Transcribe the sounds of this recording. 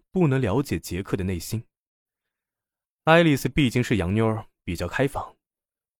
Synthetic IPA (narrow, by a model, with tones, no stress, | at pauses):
pu˥˩nɤ˧˥ŋljɑ˧˥ʊt͡ɕjɛ˨˩t͡ɕjɛ˧˥kʰɤ˥˩d̪ə˩ne˥˩ɪɕi˥n | a˥ɪli˥˩s̩˧pi˥˧t͡ɕi˥˧ŋʂɻ̩˥˩jɑ˧˥ŋnjo˥ʊə˨˧˩pi˨˩t͡ɕjɑ˥˩ʊkʰa˥ɪfɑ˨˩˦ŋ